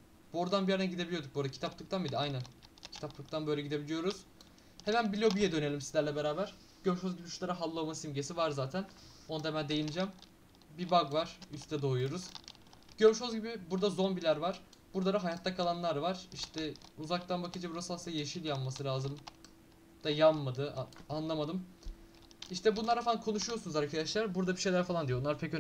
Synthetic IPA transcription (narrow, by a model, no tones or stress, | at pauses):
b̥oɾd̪anbijaɾnɛɟid̪ebilʲijod̪uk̚boɾd̪acʰit̪ʰaplˠɯk̚t̪ʰanbid̪iajnæncʰi̥t̪ʰaplˠɯk̚t̪ʰanbøjlʲɛɟid̪e̞bilʲijo̞ɾuz̥ | he̞mænbilʲobijɛd̪ø̞ne̞lʲimsizlʲæɾlʲɛbe̞ɾaːbæɾ̥ | ɟ̥øɾʃhozɟibiyʃlʲˠaɾaɦalˠːomasimɟesivaɾzaːt̪ʰæn | onad̪emænd̪ejinid͡ʒɛm | bibaɡvaɾ̥yst̪ʰɛd̪ojujo̞ɾuz̥ | ɟøɾʃho̞zɟibibuɾd̪azo̞nbilʲæɾvaɾ̥ | buɾd̪ˠaɾaɦajat̪ʰlːakʰalˠanlˠaɾvaɾ̥iʃt̪ʰɛuzak̚t̪ʰanbakʰɯd͡ʒabuɾasɯlsajeʃilʲjanmasɯlʲaːzɯm | d̪̥ajanmad̪ɯanlˠamad̪ɯm | iʃt̪ʰɛbunlˠaɾafalˠankʰo̞nuʃujosunuzaɾkʰad̪aʃlˠaɾbuɾd̪abiʃejlʲæɾfalˠand̪ijonˠaɾpʰec